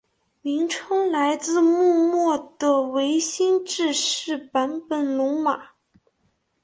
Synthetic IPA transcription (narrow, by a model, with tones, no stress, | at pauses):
mi˧˥ŋʈ͡ʂʰɤ˥ŋla˧˥ɪt͡sɹ̩˥˧mu˥˧mwɔ˥˩d̪ə˩we˧˥ɪɕi˥nʈ͡ʂɻ̩˥˧ʂɻ̩˥˩pa˧˥npə˨˩nlo˧˥ma˨˩˦